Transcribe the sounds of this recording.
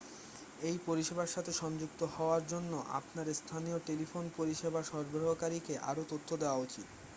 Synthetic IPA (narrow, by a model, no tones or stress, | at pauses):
ejpoɾiʃebaɾʃat̪ʰeʃɔnd͡ʑukt̪ohɔoaɾd͡ʑonːoʔa̰pnaɾest̪ʰanijoʈelifonpoɾiʃebʱaʃɔɾbɾoɦokaɾikeʔa̰ɾot̪ot̪ʰːod̪eoaot͡ɕit̪